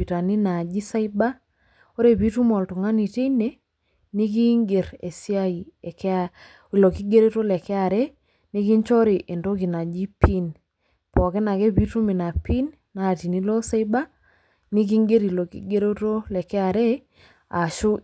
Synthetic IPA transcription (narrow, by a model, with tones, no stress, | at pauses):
i˨ta˨ni˦na˨d͡ʒi˦sa˦i˦ba˦ | o˦ɾe˨bi˦tu˦mɔ˨ltu˨ŋa˦ni˨te˦i˦ne˨ | ni˦k̬i˦ŋɡe˨ɾḛ˨si˦a˦i˨k | i˨lo˨ki˦ɡe˦ɾe˦to˦lɛ˨kɛ˦a˨ɾe˦ | ni˦ki˦nt͡ʃɔ˦ɾi˨ʔe˨ndo˦ki˨na˨d͡ʒi˦pi˦n | pɔ˨ke˦na˨ke˦bi˦tu˦mi˨na˨pi˦n | na˨ti˨ni˦lo˦sa˦i˦ba˦ | ni˦k̬i˦ŋɡe˦ɾi˨lo˨kḭ˦ɡe˦ɾo˦to˦lɛ˨kɛ˦a˨ɾe˦ | a˨ʃo˦